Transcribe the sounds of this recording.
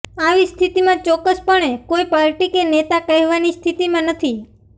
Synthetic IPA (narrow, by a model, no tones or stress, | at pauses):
aʋist̪ʰit̪imãt͡ʃɔkːəspəɳekoipaɾʈikenet̪akəɦɛʋanist̪ʰit̪imãnət̪ʰi